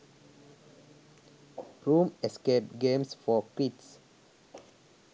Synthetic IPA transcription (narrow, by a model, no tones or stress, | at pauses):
ɹũmɛskeʈ̚ɡẽmsfɔkits